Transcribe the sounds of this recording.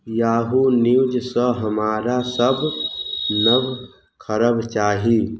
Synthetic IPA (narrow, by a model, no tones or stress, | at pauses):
jaːɦuniud͡ʒsəɦəmaːɾasəb | nəb | kʰəɾəbt͡ʃaːɦi